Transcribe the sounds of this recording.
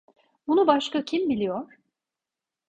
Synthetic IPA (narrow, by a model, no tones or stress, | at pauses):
bunubaʃkacʰimbilʲijoɾ̥